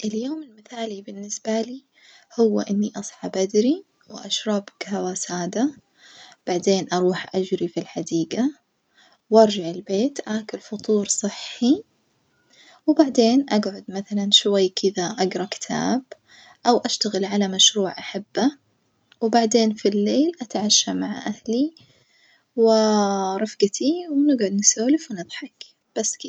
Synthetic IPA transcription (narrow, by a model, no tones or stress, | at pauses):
ʔɪljoːmɪlmɪθaːlibɪnːɪsb̥aliː | hʊwːa̰ʔɪnːiʔɑsˤħɑbʔad̪ɾi | wʔaʃɾˤɑbkhawasaːd̪a | b̥aʕd̪eːnʔɑɾˤuːħʔad͡ʒɾifilħad̪iːɡa | wʔɑɾˤd͡ʒaʕɪlbeːt̪ʔaːkʊlfʊt̪ˤuːɾsˤɨħːi | wbaʕd̪eːnʔaɡʕʊd̪maθalanʃwajːkʰɪðaʔɑɡɾˤɑkɪ̥t̪ʰa̰ːb | ʔawʔaʃt̪aɣɪlʕalamaʃɾuːʕʔaħabːa | wbaʕd̪eːnfilːeːlʔat̪ʕaʃːamaʕʔahli | wɪɾˤɑfɡat̪ʰiwnɪɡʕʊd̪nɪsaːlɪfwnɨðˤħɑk | b̥asːkɪ